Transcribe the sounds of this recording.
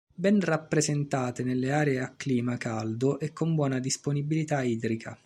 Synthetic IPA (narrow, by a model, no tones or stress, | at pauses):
bɛnrapːɾezent̪aːt̪enelːeaːɾeeakːliːmakald̪ʊʔɛkʰːombwɔːnad̪isponibilit̪aiːd̪ɾikʰa̰